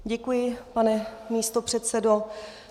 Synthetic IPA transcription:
ɟɛkujɪpanɛmiːst̪o̞pr̝̥ɛt̪sɛdo

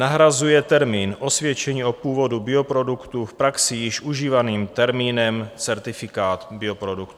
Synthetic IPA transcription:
naɦɾazujɛt̪ɛɾmiːnʔo̞svjɛt͡ʃɛɲiːʔo̞puːvo̞dubɪo̞pɾo̞dukt̪ufpɾaksɪjɪʃʔuʒiːvaniːmt̪ɛɾmiːnɛmt͡sɛɾt̪ɪfɪkaːt̪bɪo̞pɾo̞dukt̪u

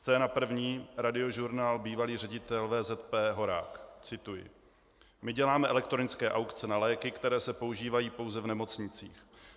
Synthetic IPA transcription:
st͡sɛːnapr̩vɲiːɾadɪo̞ʒuɾnaːlbiːvaliːrɛɟɪt̪ɛlvɛːzɛt̪pɛːɦo̞ɾa̰ːkt͡sɪt̪ujɪ̰ | mɪɟɛlaːmɛʔɛlɛkt̪ɾonɪt͡skɛːʔawkt͡sɛnalɛːkɪkt̪ɛɾɛːsɛpouʒiːvajiːpo̞wzɛvnɛmo̞t͡sɲɪt͡siːx

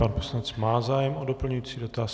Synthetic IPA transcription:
paːnposlanɛt͡smaːzaːjɛmʔodo̞pl̩ɲujiːt͡siːdo̞t̪aːs

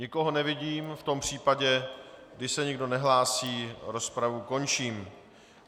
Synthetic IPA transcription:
ɲɪkoɦonɛvɪɟiːmft̪o̞mpr̝̥iːpaɟɛɡdɪʃsɛɲɪɡdo̞nɛɦlaːsiːɾo̞spɾavuko̞nt͡ʃiːm

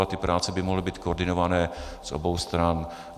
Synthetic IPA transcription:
at̪ɪpɾaːt͡sɛbɪmoɦlɪbiːt̪̚kooɾd̪ɪnovanɛːz̥ʔo̰bowst̪ɾan

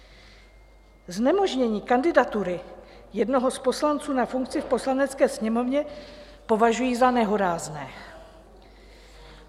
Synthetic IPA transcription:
znɛmo̞ʒɲɛɲiːkandɪdat̪uɾɪjɛdno̞ɦo̞spo̞slant͡suːnafuŋk̚t͡sɪfpo̞slanɛt͡skɛːsɲɛmo̞vɲɛ | po̞vaʒujiːzanɛɦoɾaːznɛː

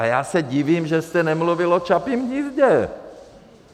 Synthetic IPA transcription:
jaːsɛɟiviːmʒɛst̪ɛnɛmluvɪlot͡ʃapimɲizɟɛ

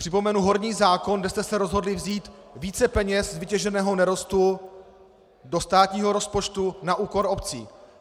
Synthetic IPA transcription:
pr̥ɪpo̞mɛnuɦo̞ɾɲiːzaːko̞nɡdɛst̪ɛsɛɾo̞zɦo̞dlɪvziːt̪viːt͡sɛpɛɲɛszvɪcɛʒɛnɛːɦo̞nɛɾo̞st̪u | do̞st̪aːt̪ɲiːɦo̞ɾo̞spo̞t͡ʃt̪unaʔuːko̞ɾo̞pt͡sḭː

